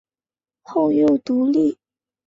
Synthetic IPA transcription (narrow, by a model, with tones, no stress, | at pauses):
xo˥˧ʊjo˥˨ʊt̪u˨˧˥li˥˨